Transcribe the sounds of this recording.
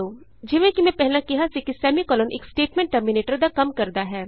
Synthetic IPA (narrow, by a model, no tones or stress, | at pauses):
oː | d͡ʒɪʋẽkimɛ̃pɛɦlãkɪɦasikisɛːmikɔːlɔːnʔḛːksʈeːʈmẽɳʈːəmineːʈəɾd̪akɐmkɐɾd̪aɦɛː